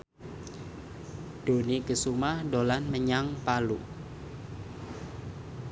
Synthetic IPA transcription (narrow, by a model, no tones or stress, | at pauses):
ɖ̥o̤nikəsumahdolanməɲaŋpalu